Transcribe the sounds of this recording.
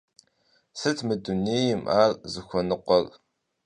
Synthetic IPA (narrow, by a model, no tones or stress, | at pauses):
sɨtʰmɨduneːjɪmʔaːrzɨxʷɔnɨqʷɔr